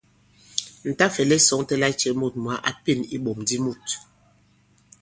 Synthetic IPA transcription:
n̩˨ta˦fɛ˨lɛ˦sɔ˨˦ŋtɛ˦la˦t͡ʃɛ˨mu˦˨t̚m˨a˨˦ʔa˨pi˦˨ni˦ɓo˨mdi˦mu˦˨t

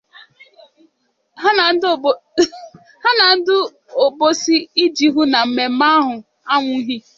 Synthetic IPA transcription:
ɦa˦na˨n̩˦d | ha˦na˨n̩˦dʊ˦ | o˨bo˦si˦i˦d͡ʒi˨ɦʊ˦na˨m̩˨me˨m̩˦ma˦ɦʊ˨ | a˦ŋʷʊ˦ɦi˦

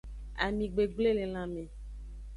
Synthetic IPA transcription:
a̰˨mĩ˨ɡ͡be˨ɡ͡ble˦le˨l̃ã˨mẽ˨

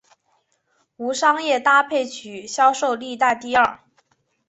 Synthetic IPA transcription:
u˧˥ʂɑ˥ŋjɛ˥˩t̪a˥pʰe˥˩ɪt͡ɕʰy˨˩ɕjɑ˥ʊʂo˥˧ʊli˥˧t̪a˥˧ɪt̪i˥˧ɐ˞˥˩

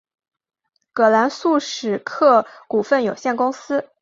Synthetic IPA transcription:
kɤ˨˩la˧˥nsu˥˩ʂɻ̩˨˩kʰɤ˥˩ku˨˩fə˥˩njo˨˩ʊɕjɛ˥˩nkʊ˥ŋsɹ̩˥

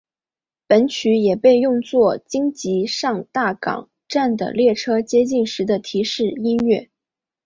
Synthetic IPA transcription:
pə˧˥nt͡ɕʰy˧˥jɛ˨˩pe˥˧ɪjʊ˥˧ŋt͡swɔ˥˩t͡ɕi˥ŋt͡ɕi˧˥ʂɑ˥˧ŋt̪a˥˩kɑ̰˨˩˦ŋ | ʈ͡ʂa˥˩nd̪ə̰˩ljɛ˥˩ʈ͡ʂʰɤ˥t͡ɕjɛ˥t͡ɕi˥˩nʂɻ̩˧˥d̪ə˧t̪ʰi˧˥ʂɻ̩˥˩i˥nɥɛ˥˩

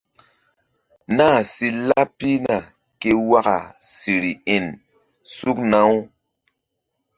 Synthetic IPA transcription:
naː˦˨si˦la˦pi˦na˨ | ke˦wa˦ka̰˨si˨ɾi˨e˨n | su˦kna˦w

